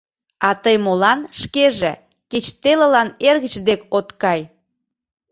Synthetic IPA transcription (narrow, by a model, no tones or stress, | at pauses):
ɑt̪əjmolɑnʃkeʒe | ket͡ɕt̪elə̆lɑnerɣə̆t͡ɕd̪ekot̪kɑj